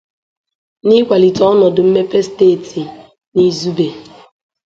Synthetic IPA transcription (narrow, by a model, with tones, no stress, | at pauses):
nɪ˦kʷa˨li˨tɔ˦ɔ˦nɔ˨dʊ˨m̩˦me˦pe˦steː˦˨ti˨ | ni˦zu˦be˨